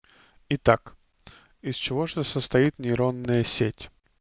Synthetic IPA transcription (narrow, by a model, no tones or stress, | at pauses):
ɪt̪ak | ɪst͡ɕɪvo̞ʐt̪əsəst̪ɐit̪nʲɪɾonːəjəsʲetʲ